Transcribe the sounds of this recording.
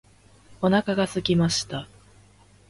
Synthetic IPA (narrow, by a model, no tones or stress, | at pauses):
o̞nakaɡasɨkʲimaɕi̥t̪a